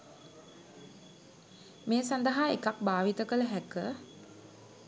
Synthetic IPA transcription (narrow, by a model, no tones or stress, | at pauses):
meːsand̪əɦaːekak̚baːʋit̪əkələɦækə